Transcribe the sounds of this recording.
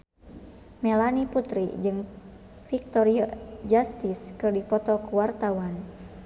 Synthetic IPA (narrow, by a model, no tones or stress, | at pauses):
mɛlaniput̪ɾḭd͡ʒɨŋ | fik̚t̪ɔɾiad͡ʒast̪iskɨrdifɔt̪ɔkuwart̪awan